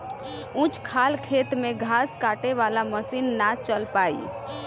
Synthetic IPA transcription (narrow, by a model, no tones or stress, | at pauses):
ũt͡ʃkʰalkʰeːt̪mẽɡʱaːskaːʈeʋalaməsinːat͡ʃəlpaːḭ